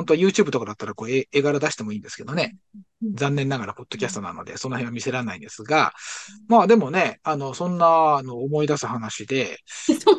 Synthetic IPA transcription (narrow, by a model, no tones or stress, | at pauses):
hont̪oajɯːt͡ɕɨ̟ːbɯ̟t̪o̞kad̪at̪ːaɾako̞ːeeɡaɾad̪aɕi̥t̪e̞mo̞ĩːnd̪esɨ̥ke̞d̪o̞ne̞ | d͡zãnːẽ̞nːaɡaɾapo̞t̪ːo̞kʲasɨ̥t̪o̞na̰no̞̰d̪e̞̰sõ̞nːohẽamʲise̞ɾanaĩnd̪e̞sɨɡa̰maːd̪e̞mo̞ne̞ano̞sõ̞nːano̞ːmo̞id̪asɨhanaɕid̪e̞